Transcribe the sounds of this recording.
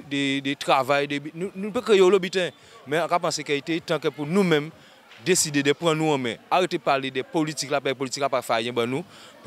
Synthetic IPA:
dɛdɛtʁavajdɛbinũnũnupɛkɾejeolobitɛ̃ | mɛ̃ãkapãsekɛitetãkɛpunũmɛ̃m | desidedɛpɣãnũãmɛ̰̃aɣetepaledɛpolitiklapɛɛp̬olitikapafɛajɛ̃banũp

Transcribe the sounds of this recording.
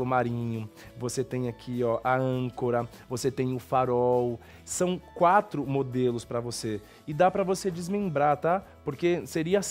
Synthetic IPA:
lʊmaɾĩɲʊ | voset̪ẽj̃akʰiɔʔɐɐ̃koɾɐ | voset̪ẽj̃ʊfaɾɔw | sɐ̃w̃kwat̪ɾʊmod̪elʊspɾɐvose | ɪd̪apɾɐvosed͡ʒɪzmẽmbɾaɾt̪apoɾkeseɾiɐs

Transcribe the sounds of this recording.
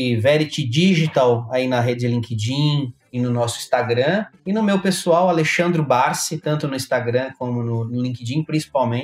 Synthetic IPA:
ɪvɛɾɪt͡ʃɪd͡ʒiʒit̪awainɐɦed͡ʒɪd͡ʒɪlĩked͡ʒĩ | ɪnʊnɔsʊĩ̥st̪aɡɾɐ̃ɪnʊmewpesuawaleʃɐ̃nd̪ɾʊbaɾsɪt̪ɐ̃nt̪ʊnʊĩst̪aɡɾɐ̃kõmʊnʊnʊlĩked͡ʒĩpɾĩsi̥pawmẽ

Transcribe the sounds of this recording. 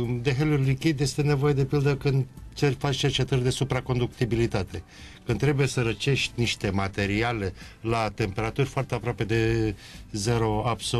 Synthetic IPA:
d̪e̞ɦelurʲlikʲid̪ʲje̞st̪e̞ne̞vo̞je̞d̪e̞pild̪əkɨnd̪t͡ʃerʲfat͡ʃt͡ʃe̞rt͡ʃe̞t̪ərʲd̪e̞supɾako̞nd̪ukt̪ibilit̪at̪e̞ | kɨnd̪ɾe̞buje̞səɾət͡ʃe̞ʃt̪ʲniʃt̪e̞mat̪e̞ɾiale̞ | lat̪e̞mpe̞ɾat̪urʲfoart̪e̞apɾoape̞d̪e̞ | ze̞ɾo̞abso

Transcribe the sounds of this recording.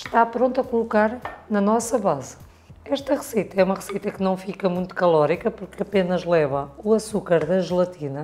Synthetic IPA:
ʃt̪apɾõnt̪ɐkulˠukaɾnɐnɔsɐβaz | ɛʃt̪ɐʁɨsejt̪ɐɛumɐʁɨsit̪ɐknɐ̃w̃fikɐmũj̃t̪u̥kɐlˠɔɾikɐpuɾkɐpenɐʒlˠɛβɐuɐsukaɾðɐʒɨlˠɐt̪ʰinɐ

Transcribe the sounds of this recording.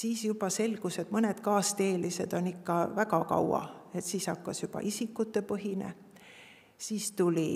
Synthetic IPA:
siːsjub̥ɑse̞lɡ̥use̞d̪̥mɤned̪̥kɑːst̪eːlise̞d̪̥o̞nikːɑvæɡɑkɑ̰wɑ̰e̞t̪siːsɑkːɑsjub̥ɑ̰ʔisikːˑut̪ːe̞pɤɦinḛ | siːst̪ulʲi

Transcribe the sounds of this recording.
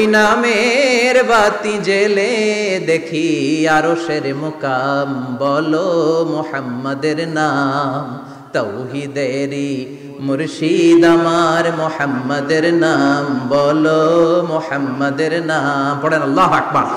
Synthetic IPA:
inameɾbat̪ĩd͡ʒeled̪ekʰiaɾoʃeɾmokambɔlomʊhɐmːɐd̪eɾnam | t̪ɐwɦid̪eɾi | mʊɾʃid̪amaɾmohəmːɐd̪eɾnambɔlomohɐmːɐd̪eɾnampɔɽenɐlːaːɦɐk̚bɐ̰ɾ

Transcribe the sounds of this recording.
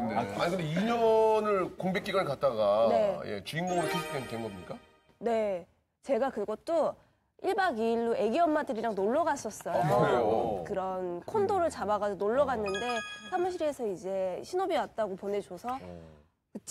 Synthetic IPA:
ɯndeaa̰ɲikɯndeiɲʌnwʌnɯɭkoŋbek͈iɡankat̚t͈aɡane̞je̞̰t͡ɕiiŋɡoŋɾkesʰu̥k̚tʰentenɡʌmɲik͈a | ne̞ | t͡ɕe̞ɡakɯɡʌt̚t͈o | iɭbaɡiːɭːue̞ɡiʌmːadɯɾiɾaŋnoɭːʌɡas͈ʌs͈ʌjojokɯɾʌnkʰondoɾɯɭt͡ɕabaɣad͡ʑonoɭːʌɡanːɯnde̞sʰamuɕʰiɾe̞sʰʌid͡ʑe̞ɕʰinobiwat̚t͈aɡopone̞d͡ʑosʰʌ | kɯt͡ɕ͈

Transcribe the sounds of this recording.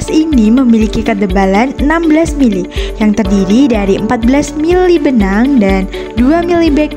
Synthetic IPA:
siniməmilikikəd̪əbalanənambəlasmilijaŋt̪ərdiɾidaɾiəmpat̪̚bəlasmilibənaŋdan | duamilibɛk̚

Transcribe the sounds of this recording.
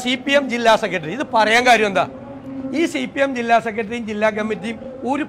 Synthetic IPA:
sipːijemd͡ʑilːaːsekːɐʈ̬ːɐɾiiðɨpɐrɐjaːŋkaːɾjɐmend̪a̰ː | iːsipːijemd͡ʑilːaːsekːɐʈ̬ːɐrijimd͡ʑilːaːkɐmːit̬ːijumoːɾu

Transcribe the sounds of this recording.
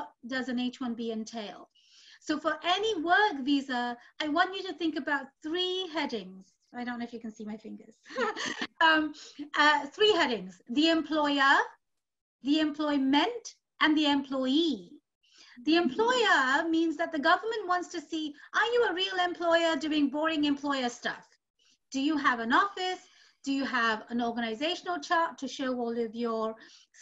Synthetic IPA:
t̚d̥ʌzɨ̃neɪt͡ʃwʌ̃nbiɨ̃ntʰeɪlˠd̥ | soʊfə˞ʔɛniwɜ˞kvizə˞aɪwɑ̃nt͡ʃɨɾɨθɪ̃ŋkɨbaʊt̪̚θɹiɦɛɾɪ̃ŋz̥ | aɪɾõʊ̃nːoʊɪfjɨkɨ̃n̩simaɪfɪ̃ŋɡə˞z̥ | ʌ̃mʌθɹiɦɛɾɪ̃ŋz̥ðiɨ̃mpʰl̥ɔɪə˞ | ðiɨ̃mpʰl̥ɔɪmɨ̃nt | ʔɨ̃nðiɛ̃mpʰl̥ɔɪi | ðiɨ̃mpʰl̥ɔɪə˞mĩnzðɨt̪̚ðɨɡʌvə˞mə̃nʔwɑ̃ntstʰɨsiʔə˞jɨəɹilˠɛ̃mpʰl̥ɔɪə˞dʉɪ̃ŋbɔɹɪ̃ŋɨ̃mpʰl̥ɔɪə˞stʌ̰f | d̥ɨjɨəvə̃nɔfɪs | d̥ɨjɨəvə̃nɔɹɡənaɪzeɪʃnl̩ˠt͡ʃʰɑɹtʰɨʃoʊwɔlɪvjə

